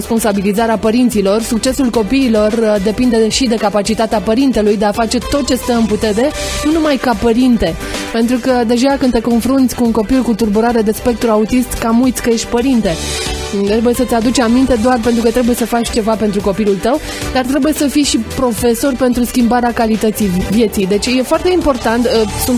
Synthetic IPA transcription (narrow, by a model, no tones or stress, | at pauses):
spo̞nsabilizaɾeapəɾint̪silo̞rsuk̚t͡ʃe̞sulko̞piːlo̞rd̪e̞pind̪e̞ʃid̪e̞kapat͡ʃit̪at̪eapəɾint̪e̞lujd̪e̞afat͡ʃe̞t̪o̞t̪̚t͡ʃe̞st̪əɨnput̪e̞ɾe̞nunumajkapəɾint̪e̞pe̞nt̪ɾukəd̪e̞ʒakɨne̞ko̞nfɾunt̪sʲkuːŋko̞pilkut̪urbuɾaɾe̞d̪e̞spe̞k̚t̪ɾuaut̪ist̪kamujt̪sʲkəje̞ʃt̪ʲpəɾint̪e̞t̪ɾebuje̞sət̪ʲad̪ut͡ʃeamint̪e̞d̪oarpe̞nt̪ɾukət̪ɾe̞buje̞səfat͡ʃʲt͡ʃe̞vapent̪ɾuko̞pilult̪əw | d̪art̪ɾe̞buje̞səfijʃipɾo̞fe̞so̞rʲpe̞nt̪ɾuskʲimbaɾeakalit̪ət̪sijvje̞t̪sijd̪e̞t͡ʃʲje̞foart̪e̞impo̞rt̪ant̪sunt̪